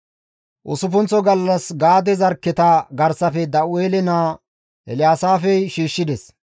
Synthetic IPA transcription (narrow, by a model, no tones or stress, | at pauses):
ʔʊsʊfʊnt͡sːɔɡɐlːɐsɡaːd̪ɛzɐɾkːɪt̪ɐɡɐɾsɐfɛd̪ɐʔʊeːlɛnaː | ɛlɪjaːsaːfɛjʃiːʃːɪd̪ɛs